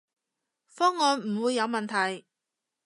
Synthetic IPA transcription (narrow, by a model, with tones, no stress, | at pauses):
fɔː˥ŋːɔː˨˧nm̩˨˩wuː˨˧jːɐ˨˧wmɐ˨nt̪ʰɐ˨˩j